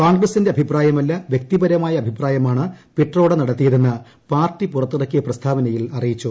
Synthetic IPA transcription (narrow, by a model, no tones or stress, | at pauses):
koːŋɡrɐsinde̞ɐbʱipraːjɐmɐlːɐʋjek̚t̪ibɐɾɐmaːjɐɐbʱipraːjɐmaːɳɨpiʈro̞ːɽenɐɽɐt̪ːijɐðenːɨ | paːrtːipurɐt̪ːuɽɐkːijɐprɐst̪ʰaːbɐnɐjilɐrijit͡ɕːu